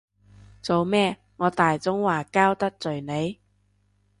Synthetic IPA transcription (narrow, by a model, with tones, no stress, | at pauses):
t͡so˨˧wmɛː˥ | ŋɔː˨˧t̪aː˨jt͡sʊ˥ŋwaː˨˩kaː˥wt̪ɐ˥k̚t͡sɵ˨ɥne˨˧j